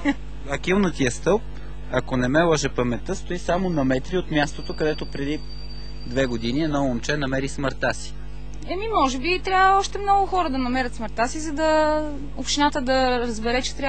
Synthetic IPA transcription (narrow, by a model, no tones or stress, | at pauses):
ɐkilˠnət̪ijəst̪ɤlˠp̚ | ɐkonɛmɛlˠɔʒɛpɐmɛt̪əst̪oisamonɐmɛt̪ɾiot̪mʲjast̪ot̪okɐd̪ɛt̪opɾɛd̪i | d̪vɛɡod̪iniɛnɔomt͡ʃɛnɐmɛɾisməɾt̪asi̥ | ɛmimɔʒɛbit̪ɾʲavvəɔʃt̪ɛmnɔɡʊxɔɾəd̪ɐnɐmɛɾʲət̪sməɾt̪asizɐd̪ɐ | opʃt̪inat̪əd̪ɐɾəzbɛɾɛt͡ʃɛ̥t̪ɾʲa